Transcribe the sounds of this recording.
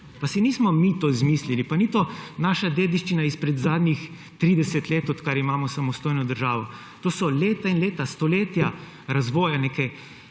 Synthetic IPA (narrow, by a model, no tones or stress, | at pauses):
pasiniːsmɔmit̪oːzmiːslilipanit̪onaːʃad̪eːd̪iʃt͡ʃinaispɾɛd̪zaːd̪nʲix | t̪ɾiːd̪ɛsɛt̪leːt̪ɔt̪kaɾimaːmɔsamɔst̪oːjnɔd̪əɾʒaːʋɔ | t̪oːsɔleːt̪ainleːt̪ast̪ɔleːt̪ja | ɾazʋɔːjanekɛj